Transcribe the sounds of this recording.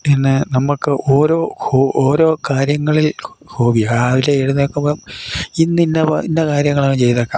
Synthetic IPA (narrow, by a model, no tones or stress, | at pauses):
pinːenɐmːukːɨʔoːɾo̞ːhoːʔoːɾo̞ːkaːɾjɐŋːɐɭil | hʰoːɡijːʋileeɽunekːɐmbominːinːɐpinːɐkaːɾjɐŋːɐɭaŋːɐt͡ɕe̞jtɐðokːa